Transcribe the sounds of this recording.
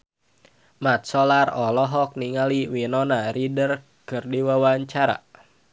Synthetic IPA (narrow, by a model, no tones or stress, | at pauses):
mat̪̚sɔlarɔlɔɦɔk̚niŋaliwinɔnaridər | kɨrdiwawaɲt͡ʃaɾa̰